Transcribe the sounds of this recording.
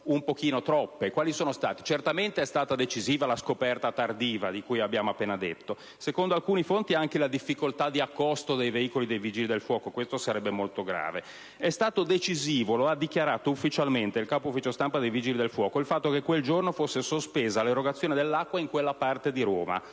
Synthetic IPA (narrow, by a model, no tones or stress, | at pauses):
umpokiːnot̪ɾɔpːekwaːlisoːnost̪aːt̪i̥t͡ʃert̪ament̪eɛst̪aːt̪ad̪et͡ʃiziːvalaskopɛrt̪at̪ard̪iːvad̪ikujabjaːmoapːeːnad̪et̪ːo | sekond̪oalkuːnifont̪iaŋkelad̪ifːikolt̪ad̪iakːost̪od̪ejveiːkolid̪ejviːd͡ʒilid̪elfwɔːkokwest̪osaɾɛbːemolt̪oɡɾa̰ːve | ɛst̪aːt̪od̪et͡ʃiziːvoload̪ikjaɾaːt̪oufːit͡ʃalment̪eilkaːpoufːit͡ʃost̪ampad̪ejviːd͡ʒilid̪elfwɔːkoilfat̪ːokekːweld͡ʒornofosːesospeːzaleroɡat̪sːjoːned̪elːakːwaiŋkwelːapart̪ed̪iɾoːma̰